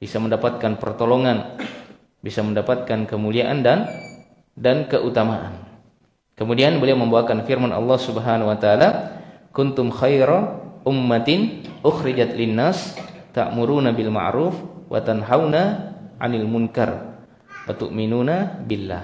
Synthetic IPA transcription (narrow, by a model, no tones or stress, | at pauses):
b̥isaməndapat̪̚kanpə̰rt̪oloŋan | bisaməndapat̪̚kankəmuliaʔandan | dankəʔut̪amaʔa̰n | kəmudianbəliawməmbaakanfirmanʔɑ̰lːɑhsubəɦanawat̪aala | kʊnt̪ʊmxajɾaʔʊmːat̪ɪnʔʊxɾid͡ʒat̪linːast̪a̰ʔmuɾuːnabilma̰ʕɾuːfwa̰t̪anɦawnaʕa̰nalmuŋka̰r | wa̰t̪uʔminuːnabilːa̰